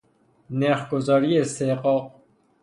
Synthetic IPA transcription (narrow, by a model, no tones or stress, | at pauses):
neχɡozɔɾieseqɔq̚